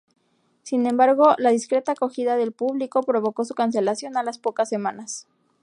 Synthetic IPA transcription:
sinẽ̞mbaɾɣo̞laðiskɾe̞t̪ako̞xiðaðe̞lpuβliko̞pɾo̞β̞o̞ko̞sukans̬e̞lasjo̞nalaspo̞kasːe̞mãnas

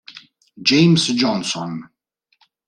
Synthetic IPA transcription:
d͡ʒejmsd͡ʒɔnsɔn

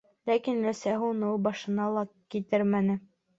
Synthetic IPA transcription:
lækinɾæsæɦunɤubɑʃɤ̆nɑlˠɑkit̪ɘɾmænɘ

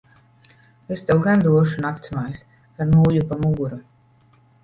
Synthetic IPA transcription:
est̪ɛwɡand̪uɔʃunakt̪smajs | paɾnuːjupamuɡuɾu

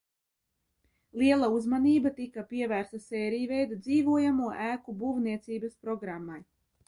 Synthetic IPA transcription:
lˠiɛlˠauzmaniːbat̪ikapiɛvæːɾst̪asɛːɾijvɛjd̪ad̪ziːvuɔjamuɔʔæːkubuːvniɛt̪siːbaspɾɔɡɾamːaj

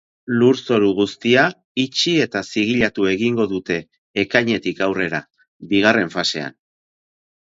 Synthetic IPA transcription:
luɾso̞ɾuɣ̞ust̪ia | it͡ʃie̞t̪asiɣiʎat̪ue̞ɣiŋɡo̞ðut̪e̞ː | kajɲe̞t̪ikawre̞ɾa | biɣ̞are̞ɱfase̞a̰n

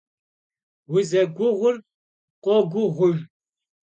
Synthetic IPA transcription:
wizɐɡʷʊʁʷʊr | qʷɔɡʷʊʁʷʊr

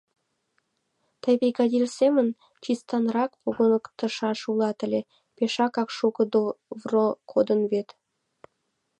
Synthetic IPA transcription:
t̪ɑjbejɡɑd̪irsʲemə̆n | t͡ʃist̪ɑnrɑkpoɣonəkt̪ə̆ʃɑʃulˠɑt̪ə̆lʲe | peʃɑkɑkʃukə̆d̪ovrokʰod̪ə̆nβet̪

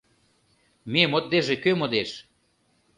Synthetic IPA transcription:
memot̪̚d̪eʒekømod̪eʃ

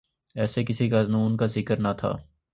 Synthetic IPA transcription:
ɛːsekɪsikaːznuːnkazɪkəɾnat̪ʰa̰ː

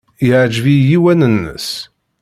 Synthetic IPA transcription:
jʕd͡ʒvijiwænənːə̰s

